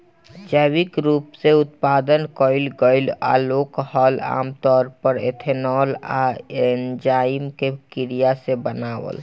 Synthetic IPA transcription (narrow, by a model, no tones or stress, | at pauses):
d͡ʒəwɪkɾuːpseʊt̪̚paːd̪ənkɔɪlɡəɪla̰loːkhɔla̰ːmt̪ɔːɾpəɾḛt̪ʰenɔːla̰end͡ʒaːɪmkekɪɾijasebənaːwə̰l